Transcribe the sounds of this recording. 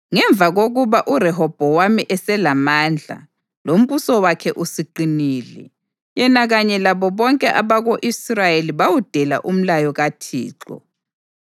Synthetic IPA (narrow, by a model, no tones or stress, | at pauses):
ŋɛɱb̪vʱaɣoɣuβaʔurɛɦɔb̥ʱɔwamiʔɛsɛlamaːnd͡ɮʱa̰ | lom̩βusɔwakʰɛʔusiǃiniːlɛ̰ | jɛnaɣaɲɛlaβɔβɔŋkʼɛʔaβaɣoʔisrajeliβawud̥ʱɛla̰ʔum̩lajɔɣatʰḭːǁɔ̰